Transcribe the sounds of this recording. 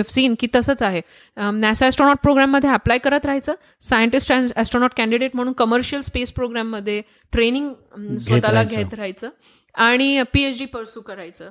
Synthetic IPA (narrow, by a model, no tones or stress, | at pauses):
efsiːnkiːt̪əsəːt͡saɦe | nasaæsʈɾonɔʈ̚pɾoɡɾæmːəd̪ʱːjeəplajkəɾət̪ɾaɦajt͡səː | sajəɳʈisʈænæsʈɾonɔʈ̚kæ̃ɳɖiɖeʈ̚m̤əɽ̃uːnkəməɾɕiəlspespɾoɡɾæmːəd̪ʱːje | ʈɾeniŋɡ | sət̪aaɡʱet̪ɾaajt͡səː | aɽ̃ipiet͡ɕɖiːpəɾsuːkəɾajt͡səː